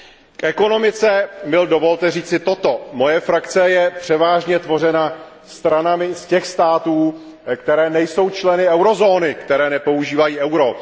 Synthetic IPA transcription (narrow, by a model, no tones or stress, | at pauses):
kʔɛko̞no̞mɪt͡sɛmɪldo̞vo̞lt̪ɛriːt͡sɪt̪o̞t̪o̞mo̞jɛfɾakt͡sɛjɛpr̝̥ɛvaːʒɲɛt̪vo̞rɛna | st̪ɾanamɪscɛxst̪aːt̪uː | kt̪ɛɾɛːnɛjso̞wt͡ʃlɛnɪɛwɾo̞zo̞ːnɪkt̪ɛɾɛːnɛpo̞uʒiːvajiːʔɛwɾo̞